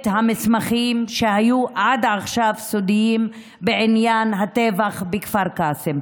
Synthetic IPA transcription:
t̪hamismaχimʃehajuʔad̪aχʃavsod̪ijim | beʕinjanɦat̪evaχbekfaʁkasem

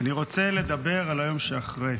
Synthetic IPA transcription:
aniʁo̞t͡se̞le̞d̪abe̞ʁalajo̞mʃeaχʁe

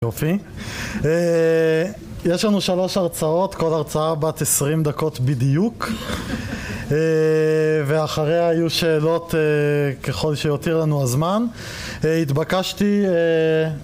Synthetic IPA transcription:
jofi | e | jeʃlanuʃalo̞ʃaʁt͡sao̞t̪ko̞laʁt͡saabat̪esʁimd̪ako̞tbidijuk | e | veaχaʁeaajuʃe̞ːlo̞teke̞χo̞lʃejotiʁlanuazman | it̪bakaʃtie

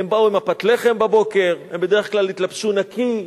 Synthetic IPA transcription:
embauimapat̪leχe̞mbabo̞ke̞ʁembede̞ʁeχklalit̪lapʃunaki

